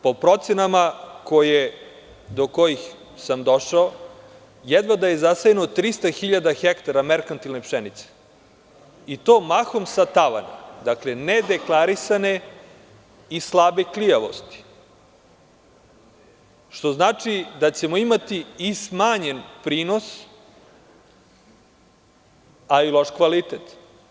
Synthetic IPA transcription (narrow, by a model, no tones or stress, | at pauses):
po̞pɾo̞t̪senamako̞je | d̪o̞ko̞jix | samd̪o̞ʃao | jɛd̪ʋad̪ajezasajenot̪ɾist̪axiʎad̪axekt̪aɾameɾkant̪ilnepʃenit̪se̥ | it̪oːmaxo̞msat̪aʋa̰na̰d̪aklened̪e̞klˠaɾisane̞ | islˠabeklijaʋo̞̰st̪i̥ | ʃt̪o̞znaːt͡ʂid̪at͡ɕemoimat̪iːsmaːɲenpɾiːno̞s | ailˠo̞ʃkʋalit̪et̪